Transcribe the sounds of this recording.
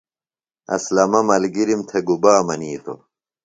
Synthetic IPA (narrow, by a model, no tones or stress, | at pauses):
ɐ̰slɐmɐmɐlɡiɾimt̪ʰeɡubaːmɐniːt̪ʰo̰